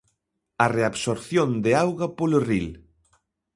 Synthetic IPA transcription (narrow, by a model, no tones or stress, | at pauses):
ɐreaβsoɾθjond̪eawɣapoloril